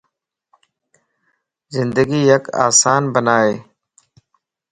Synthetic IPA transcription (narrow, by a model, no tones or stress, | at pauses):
zɪnd̪əɡiːjəka̰ːsaːnbənaːeː